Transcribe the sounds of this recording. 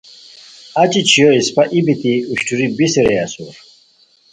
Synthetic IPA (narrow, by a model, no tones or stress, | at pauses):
ɐt͡ɕit͡ɕʰijoispaʔibit̪iuɕʈʰuɾibisiɾeasṵɾ